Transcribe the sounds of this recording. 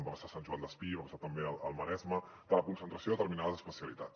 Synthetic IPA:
bapasasanʲʒuand̪əspiβapasat̪əmbeəlˠəlˠməɾɛzmə | d̪̥ələkunsənt̪ɾəsioðət̪əɾminaðəzəspəsiəlit̪at

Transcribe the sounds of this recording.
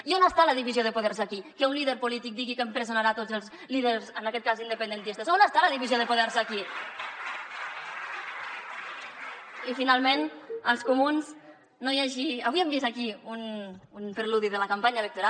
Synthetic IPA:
ionəst̪aləðiβizioðəpuðɛɾs̬akikəunliðəɾpulit̪ik̚d̪iɣikəmpɾəzunaɾat̪ozəlˠz | liðəɾzənəkɛt̪̚kazind̪əpənd̪ənt̪ist̪əsonəst̪aləðiβizioðəpuðɛɾsəki | ifinalˠmenəlˠskumunz | nojaʒiəβiembisəkiununpəɾluðiðələkampaɲəelək̚t̪uɾa

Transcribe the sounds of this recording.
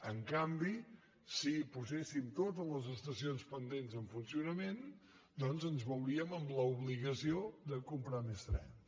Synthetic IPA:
əŋkambi | sipuzɛsimt̪ot̪̬əzləzəst̪əsionspənd̪enzəɱfunsiunəmen | d̪ɔnzənzβəwɾiəməmləuβliɣəsiod̪əkumpɾamest̪ɾɛ̰n

